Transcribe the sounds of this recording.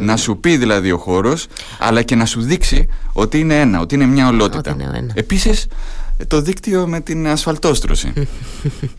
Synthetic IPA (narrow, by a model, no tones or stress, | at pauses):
nɐsupiðilɐðio̞xo̞ɾo̞s | ɐ̰lɐce̞nɐsuðiksio̞t̪iine̞e̞nɐo̞̰t̪iine̞mɲɐo̞lo̞t̪it̪ɐ̰e̞pisist̪o̞ðikt̪io̞me̞t̪inɐsfɐlt̪o̞st̪ɾo̞̰sḭ